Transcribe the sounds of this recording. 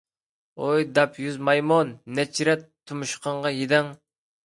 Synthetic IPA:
ojd̪ɑpjyzmɑjmonːɛt͡ʃʰɾɛt̪ʰːumuʃqʰɑɴʁɑjed̪ɛŋ

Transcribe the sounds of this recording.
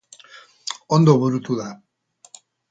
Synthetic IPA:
ond̪oβuɾut̪uða

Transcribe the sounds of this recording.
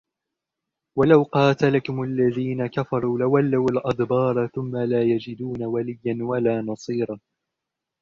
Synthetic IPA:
walawqɑːt̪alakʊmalːaðiːnakafɑɾˤuːlawalːawalʔɑd̪bɑːɾˤɑθʊmːalaːjad͡ʒɪd̪uːnawalɪjːanwalaːnɑsˤiːɾˤɑː

